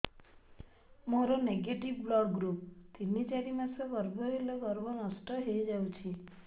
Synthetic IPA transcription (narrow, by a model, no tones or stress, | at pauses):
moɾoneɡeʈiʋblɔɡɾup̚t̪init͡ʃaɾimãsɔɡɔɾbʱɔelɔɡɔɾbɔnɔsʈɔɦejd͡ʒawt͡ʃʰi